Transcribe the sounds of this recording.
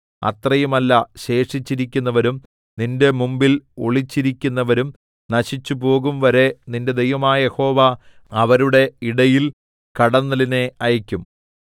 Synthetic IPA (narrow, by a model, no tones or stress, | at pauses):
ɐ̰t̪rɐjumɐlːɐɕe̞ːʂit͡ɕːiɾikʲːunːɐʋɐɾum | ninde̞mumbilo̞̰ɭit͡ɕːiɾikʲːunːɐʋɐɾum | nɐɕit͡ɕːupo̞ːɣumʋɐɾe̞ninde̞d̪ejʋɐmaːjɐje̞ho̞ːʋa | ɐʋɐɾuɽe̞iɽɐjil | kɐɽɐnːɐline̞ɐjɐkʲːum